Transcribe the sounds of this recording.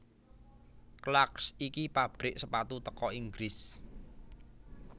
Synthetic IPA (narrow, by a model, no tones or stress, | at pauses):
klaksikipab̥ɾɪʔsəpat̪ut̪əkɔiŋɡɾɪs